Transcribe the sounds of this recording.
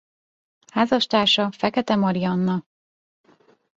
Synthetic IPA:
haːzɒʃt̪aːʃɒfɛkɛt̪ɛmɒɾiɒnːɒ

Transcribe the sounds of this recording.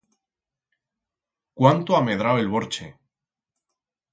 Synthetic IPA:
kwant̪oame̞ð̞ɾawelβo̞ɾt͡ʃe

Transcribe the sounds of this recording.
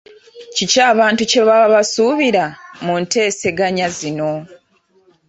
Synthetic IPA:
cicaːβaːntuce̞βaβasuβiɾamunte̞ːse̞ɡaɲazino̞

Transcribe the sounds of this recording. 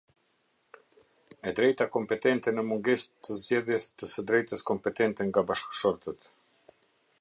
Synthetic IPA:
ɛd̪ɾɛjt̪akɔmpɛt̪ɛnt̪ɛnəmuŋɡɛst̪ʰəzd͡ʑɛðjɛst̪əsəd̪ɾɛjt̪əskɔmpɛt̪ɛnt̪ɛŋɡabaʃkʃɔɾt̪ət̪

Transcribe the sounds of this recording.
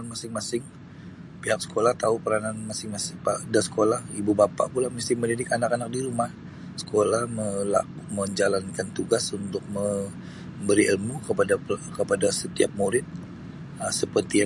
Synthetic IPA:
nmasɪŋmasɪŋ | piɦak̚sə̥kʰolaht̪aupəɾananmasɪŋmasɪŋpadasə̥kolahibubapa̰ʔpulahmist̪ɪməndidɪkanakanak̚diɾumah | sə̥kolahməla̰ | məɲd͡ʒalankant̪uɡasunt̪ʊk̚mə | mbəɾiʔəlmukəpadakəpadasət̪ia̰p̚muɾɪt̪̚ | əsəpərt̪ia

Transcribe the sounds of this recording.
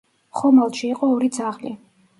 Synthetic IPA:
χɔmalˠʃiːqʼɔːɾid̪zaʁli

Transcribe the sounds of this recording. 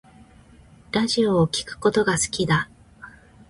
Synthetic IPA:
ɾaʑio̞ːkʲi̥kɯ̟̥ko̞t̪o̞ɡasɨ̥kʲid̪a

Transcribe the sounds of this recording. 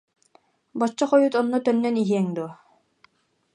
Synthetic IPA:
bɔt͡ɕːɔχɔjut̪ɔnːɔt̪œnːœniɦiɛŋd̪uɔ

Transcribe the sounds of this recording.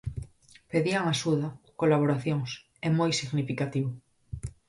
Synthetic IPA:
peðiaŋaʃuðakolaβ̞oɾaθjoŋs | emojsiɣnifikat̪iβʊ

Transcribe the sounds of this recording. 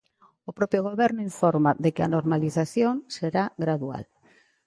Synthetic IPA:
opɾopjoɣ̞oβɛɾnoiɱfoɾmaðekeanoɾmaliθaθjoŋseɾaɣɾaðua̰l

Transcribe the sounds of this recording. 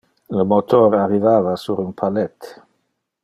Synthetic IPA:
ləmot̪oɾarivaːvasuɾunpʰalɛt̪ː

